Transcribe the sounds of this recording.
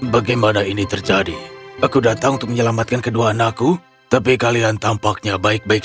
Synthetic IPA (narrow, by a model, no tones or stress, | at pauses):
baɡajmanainit̪ərd͡ʒadiakudat̪aŋʊnt̪ʊk̚məɲəlamat̪̚kankəduaːnaku | t̪apikaliant̪ampak̚ɲabaɪk̚baɪk̚